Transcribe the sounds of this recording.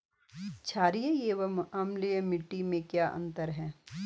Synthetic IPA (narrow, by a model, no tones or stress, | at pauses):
t͡ʃʰaːɾijəjeːʋəmɐmliəmɪʈːimẽkjaːʔɐ̰̃nt̪əɾɦɛː